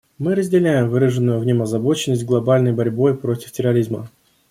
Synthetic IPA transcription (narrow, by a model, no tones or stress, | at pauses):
mɨɾəzʲdʲɪlʲæjɪmvɨɾəʐɨnːʊjʊvnʲomɐzɐbo̞t͡ɕɪnːəsʲt̚ʲɡlˠɐbalʲnəjbɐɾʲbo̞jpɾo̞tʲɪ̥ftʲɪrɐɾʲizmə̰